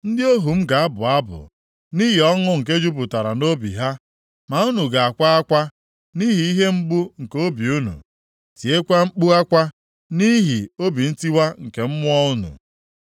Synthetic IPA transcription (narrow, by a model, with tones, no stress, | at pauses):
n̩˦dɪ˦o˦ɦu˨m̩˦ɡa˨a˦bʊ˨a˦bʊ̰˨ | ni˦ɦi˨ɔ˦ŋʊ˦ŋ̩˨k̬e˦d͡ʒu˦p̬ʊ˨ta˨ɾa˨no˦bḭ˨ɦa˦ | ma˨ʊ˦nu˨ɡa˨a˨kʷa˦a˦kʷa˦ | ni˦ɦi˨i˦ɦe˦ŋ͡m̩˦ɡ͡bu˦ŋ̩˨ko˦bi˨u˦nṵ˨ | ti˨e˦kʷa˦ŋ͡m̩˦k͡pu˦a˦kʷa˦ | ni˦ɦi˨o˦bi˨n̩˦ti˦wa˦ŋ̩˨ke˨m̩˦mʊ˦ɔ˦ʊ˦nṵ˨